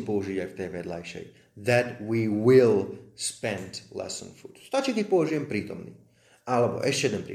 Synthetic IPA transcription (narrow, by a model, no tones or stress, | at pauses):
pɔuʒiɟajft̪ɛjʋɛd̪la̰jʃɛ̰j | ðɛt̪wiːwilspɛnd̪lɛ̰sə̰̃nfuːt̪st̪at͡ʃɛkɛcpɔuʒijɛmpɾiːt̪ɔmnḭː | ʔalɛbɔ̰ʔɛʃcɛjɛd̪ɛnpɾḭ